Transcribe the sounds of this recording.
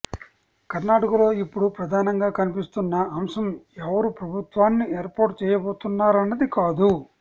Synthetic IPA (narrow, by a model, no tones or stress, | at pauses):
kɐɾnaːʈɐkɐlo̞ːipːuɽupɾɐd̪ʱaːnɐŋɡaːkɐnipist̪unːɐːmʂɐmɛʋɐɾupɾɐbʱut̪ʋaːnːieːɾpoːɾʈt͡ʃɛːjɐboːt̪unːaːɾɐnːɐd̪ikaːd̪u